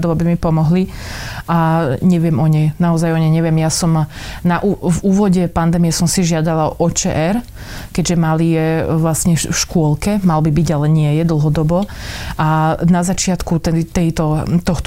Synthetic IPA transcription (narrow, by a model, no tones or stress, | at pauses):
d̪ɔʊabimipɔmɔɦliʔaɲɛʋɪɛmɔɲɛjnaɔzajɔɲɛjɲɛʋɪɛmjasɔmnaʔuvuːʋɔɟɛpand̪ɛːmiɛsɔmsiʒɪad̪alaɔʔɔt͡ʃɛ̰ʔɛɾ | kɛʒɛmalijɛʋlasɲɛfʃkʊɔlkɛmalbibiɟalɛɲɪɛjɛd̪l̩ˠɦɔd̪ɔbɔʔanazat͡ʃɪat̪kut̪ɛt̪ɛjt̪ɔt̪ɔxt̪